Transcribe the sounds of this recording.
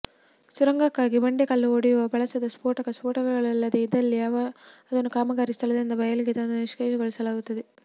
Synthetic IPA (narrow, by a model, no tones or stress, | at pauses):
suɾɐŋɡɐkːaːɡibɐɳɖekɐlːuoɽijuʋɐbʱɐɭɐsɐd̪ɐspoːʈɐkɐspoːʈɐɡɐɐɭɐlːɐd̪eid̪ɐlːiaʋɐɐd̪ɐnːukaːmɐɡaːɾist̪ʰɐlɐd̪ind̪ɐbɐjɐliɡed̪ɐnuniʂkeːd͡ʒɐɡoɭisɐlaːɡut̪ːɐd̪e